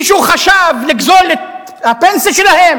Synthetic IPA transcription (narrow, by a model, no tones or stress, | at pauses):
ʃhuχaʃavliɡzole | hapensaʃelahem